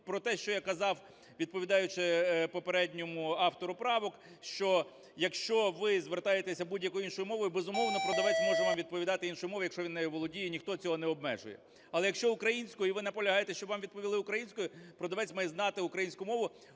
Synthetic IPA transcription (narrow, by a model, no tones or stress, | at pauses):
pɾɔt̪ɛʃt͡ʃɔjakɐzɑw | ʋʲid̪̚pɔʋʲid̪ɑjʊt͡ʃɪpɔpeɾɛdʲnʲɔmʊɑft̪ɔɾʊpɾɑʋɔk | ʃt͡ʃɔ | jɐkʃt͡ʃɔʋɪzʋert̪ɑjet̪esʲɐbudʲjɐkɔjʊinʃɔjʊmɔʋɔjʊbezʊmɔwnɔpɾɔd̪ɐʋɛt͡sʲmɔʒɛʋɑmʋʲid̪̚pɔʋʲid̪ɑt̪ɪinʃɔjʊmɔʋɐjɐkʃt͡ʃɔʋʲinːɛjɛʋɔlˠɔdʲijɛnʲixt̪ɔt͡sʲɔɦɔnɛɔbmɛ̰ʒʊ̰jɛ | ɐlˠɛjɐkʃt͡ʃɔʊkɾɐjinʲsʲkɔjiʋɪnɐpɔlʲɐɦɑjet̪ɛʃt͡ʃɔbʋɑmʋʲid̪̚pɔʋʲilˠɪʊkɾɐjinʲsʲkɔjʊpɾɔd̪ɐʋɛt͡sʲmɛjznɑt̪ɪʊkɾɐjinʲsʲkʊmɔʋʊ